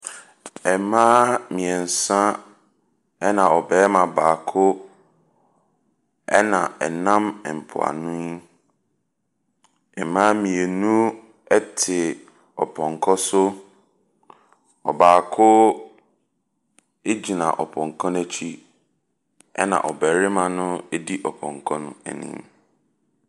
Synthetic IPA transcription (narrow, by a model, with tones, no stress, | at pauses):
ɛ˨mãː˦mĩ˨ɛ˨n̩˨sã˦ | ɛ˦nã˨ɔ˨bɛː˦mã˨baː˨kʰʊ˦ | ɛ˦nã˨ɛ˨nã˦mɛ˨m̩˨pʰʊ̰˨a̰˨nʊ̃˦ | ɛ˨mã˦mĩ˨e˨nũ˦ | ɛ˦tʰɪ˨ | ɔ˨pʰɔ̃˨ŋ˨kʰɔ˦sʊ˦ | ɔ˨baː˨kʰʊ˦ | e˦d͡ʑi˨nã̰˨ʔɔ˨pʰɔ̃˨ŋ˨kʰɔ̃˦næ˦t͡ɕʰi˦ | ɛ̰˦nã̰˨ʔɔ˨bɛː˨ɾɪ˦mã˨nʊ̃˦e˦di˦ʔɔ˨pʰɔ̰̃˨ŋkʰɔ˦nʊ̃˦ɛ̰˨nḭ̃˨m